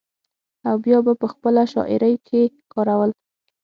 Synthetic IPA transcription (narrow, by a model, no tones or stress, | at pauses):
awbjɑbapəxpəlaʃɑ̰ʔɪ̰ɾəjkʰe | kɑɾawəl